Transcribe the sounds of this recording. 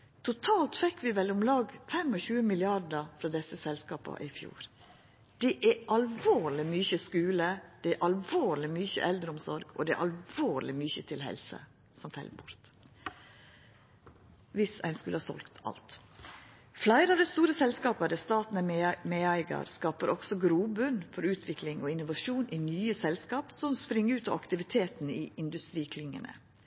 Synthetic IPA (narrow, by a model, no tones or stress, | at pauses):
t̪ʰʊt̪ʰɑːlt̪fɛkːʋɪʋɛlʊmlɑːɡfɛmɔçʉːəmɪlɪɑɖəfɾɑːd̪ɛsəsɛlskɑːpɑ̰ʔɪfjṵːɾ | d̪̥ɛʔæʔɑlʋoːɾɭɪmʏçəskʉːləd̪̥ɛæɾʔɑlʋoːɾlɪmʏçə̰ʔɛld̪ɾəʊmsɔɾɡɔ̰d̪ɛæ̰ʔɑlʋoːɾlɪmʏçət̪ʰɪlhɛ̰lsə̰ | sɔmfɛ̰lbʊɾt̪ | ʋɪsæ̰ɪnskʉləhɑːsɔ̰lkt̪ʰɑ̰lt̪ | flæɪɾəɑʋd̪ɛst̪uːɾəsɛlskɑːpəd̪ɛst̪ɑːt̪nəmeːæɪɡɑ̰ɾskɑːpəɾʔɔɡ̥sɔɡɾuːbʉnfɔɾʉːt̪ʰʋɪklɪŋoɪnʊʋɑʂuːnʔinyːəsɛlskɑːpsɔmspɾɪŋːəʉːt̪ɑ̰ʋɑkt̪ɪʋɪt̪ʰeːt̪niːʔɪnd̪ʉst̪ɾiːkʰlʏŋːə̰nə̰